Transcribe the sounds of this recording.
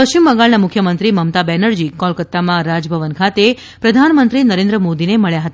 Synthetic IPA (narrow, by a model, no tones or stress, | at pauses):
pəʃt͡ʃimːəŋɡaɭnamʊkʰjəmənt̪ɾiməmt̪abɛnəɾd͡ʒikɔlkət̪ːamãɾad͡ʒəbʱəʋənkʰat̪e | pɾəd̪ʱanmənt̪ɾinəɾẽnd̪ɾəmod̪ineməɭjaɦət̪a